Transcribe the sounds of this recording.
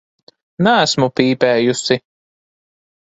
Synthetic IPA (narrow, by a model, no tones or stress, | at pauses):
nææsmupiːpɛːjusi